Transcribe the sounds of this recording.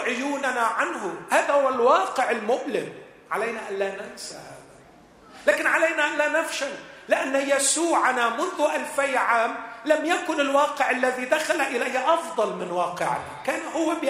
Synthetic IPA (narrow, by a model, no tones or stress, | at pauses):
ʕʊjuːnanaʕanɦʊhaːðahʊwːalwɑːqɪʕɪlmʊʔlɪm | ʕalajnaʔanlaːnansahaːða | laːkɪnʕalajnaʔanlaːnafʃallɪʔanːajasuːʕanamʊnðʊʔalfajʕaːmlamjakʊnɪlwɑːqɪʕalːaðid̪axalaʔɪlajʔɑfd̪ˤɑlmɪnwɑːqɪʕna̰kaːnhʊwːab